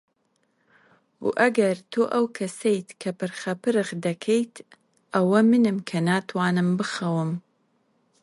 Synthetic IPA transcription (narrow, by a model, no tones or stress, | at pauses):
ṵʔɐɡɐɾt̪ʰoːʔɐwkʰɐsejt̪kʰɐpɨɾxɐpɨɾɨɣd̪ɐkʰejt̪ | ʔɐwɐmɨnɨmkʰɐnaːt̪ʰwaːnɨmbɨxɐwɨm